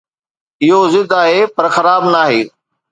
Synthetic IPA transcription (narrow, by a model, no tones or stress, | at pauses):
ɪɦozɪd̪aːɦeːpɐɾxɐɾaːbnaːɦeː